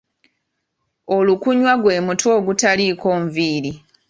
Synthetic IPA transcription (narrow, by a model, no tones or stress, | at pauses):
o̞lukuɲwaɡwe̞ːmutwo̞ːɡutalikoːɱviːɾi